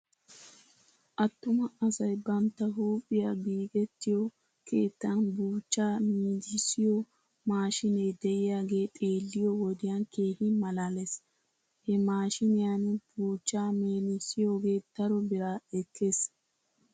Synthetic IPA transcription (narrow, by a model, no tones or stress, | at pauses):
ʔɐt̪ːʊmɐɐsɐjbɐnt̪ːɐɦuːpʼːɪjabiːɡɛt̪ːɪjɔ | kʰe̞ːt̪ːɐnbuːt͡ʃːaːmiːd̪ɪsɪjɔ | maːʃɪnɛjd̪ɛʔɪjaːɡe̞ːt̪ʼe̞ːlːɪjɔwɔd̪ɪjanke̞ːhimɐlaːles | hɛmaːʃɪnɪjanb̥uːt͡ʃːaːmeːnɪsɪjoːɡeːt̪ɐɾɔbɪɾaɛkʰːe̞ːs